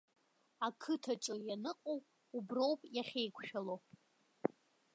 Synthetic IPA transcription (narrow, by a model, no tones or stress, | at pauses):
akʰɨtʰaʈ͡ʂʼɨjanɨqʼowpʼ | ubro̞wpʼjaχʲejkʷʰʃᶣalo